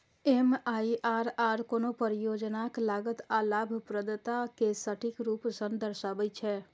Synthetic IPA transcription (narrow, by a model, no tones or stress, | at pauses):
emaiʔaɾaɾkonopəɾijod͡ʒnaklaɡət̪alabʱpɾəd̪t̪akesəʈʰikɾupsənd̪ʱəɾsabəjt͡ʃʰɛ